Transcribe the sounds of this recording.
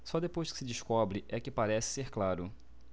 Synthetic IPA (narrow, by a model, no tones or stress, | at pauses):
sɔd̪epojʃkɪ̥sɪd͡ʒɪʃkɔbɾɪʔɛkɪpaɾɛsɪ̥seɾklaɾʊ